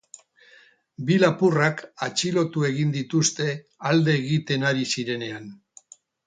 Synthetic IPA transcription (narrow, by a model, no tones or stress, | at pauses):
bilapurakat͡ʃilo̞t̪ue̞ɣ̞ind̪it̪ust̪e̞ | ald̪e̞ːɣit̪e̞naɾisiɾe̞ne̞an